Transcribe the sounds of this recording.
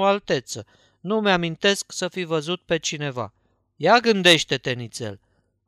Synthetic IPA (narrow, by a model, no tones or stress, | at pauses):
oalt̪e̞t̪sə | numamint̪e̞sksəfivəzut̪̚pe̞t͡ʃine̞va̰ | jaɡɨnd̪e̞ʃt̪e̞t̪e̞nit̪se̞̰l